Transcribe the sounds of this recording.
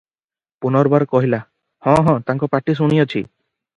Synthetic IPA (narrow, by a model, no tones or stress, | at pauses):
punɔɾbaɾkɔɦila | hɔ̃ɦɔ̃t̪aŋkɔpaʈis̬uɽ̃ijɔt͡ʃʰi